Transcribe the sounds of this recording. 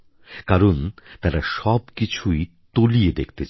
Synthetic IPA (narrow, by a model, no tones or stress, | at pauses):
kaɾont̪aɾaʃɔbkit͡ɕʰuj | t̪olied̪ekʰt̪et͡ɕʰ